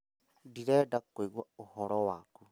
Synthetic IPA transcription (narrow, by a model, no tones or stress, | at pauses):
diɾɛdakoiɣwaohɔɾɔwaku